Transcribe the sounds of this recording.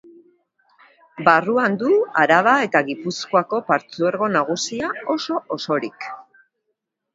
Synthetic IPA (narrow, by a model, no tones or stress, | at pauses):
baruand̪uaɾaβ̞ae̞t̪aɣipuskoako̞paɾt͡sueɾɣo̞naɣ̞usiao̞so̞oso̞ɾik